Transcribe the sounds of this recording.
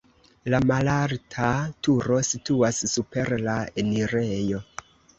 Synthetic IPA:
lamalaɾtʰatʰuɾo̞situasːupe̞ɾlaeniɾejo̞

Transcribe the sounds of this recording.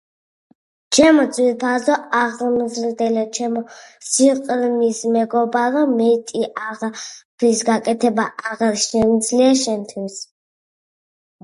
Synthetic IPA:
t͡ʃʰɛmɔsʰʼwiɾpʰazɔaʁmzɾd̪ɛlɛt͡ʃʰɛmɔsiqʼɾmismɛɡɔbaɾɔmɛt̪ʼiʔaʁpʰɾisɡakʼɛt̪ʰɛbaʔaʁaɾʃɛmd̪zliaʃɛmt̪ʰwis

